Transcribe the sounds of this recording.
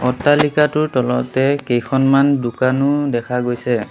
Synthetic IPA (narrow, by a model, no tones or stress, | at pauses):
ɔtːalikatʊɹtɔlɔ̰tɛkejkʰɔnmandukanʊdɛkʰaɡojsɛ